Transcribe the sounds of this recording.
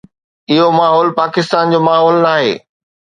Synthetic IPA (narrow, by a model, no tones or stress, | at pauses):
ɪɦomaːɦɔːlpaːkɪst̪aːnd͡ʑoːmaːɦɔːlnaːɦḛː